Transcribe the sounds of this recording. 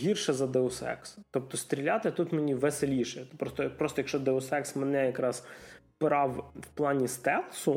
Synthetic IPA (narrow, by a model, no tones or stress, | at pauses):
ɦʲirʃɛzɐd̪ɛɔsɛ̰kst̪ɔp̚t̪ɔst̪ʲɾʲilʲat̪ɪt̪ut̪menʲiʋeselʲiʃɛt̪pɾɔst̪ɔpɾɔst̪ɔjɐkʃt͡ʃɔd̪ɛɔsɛksmenɛjɐkɾɑz̥ | pɪɾɑwwplˠɑnʲist̪ɛlˠsʊ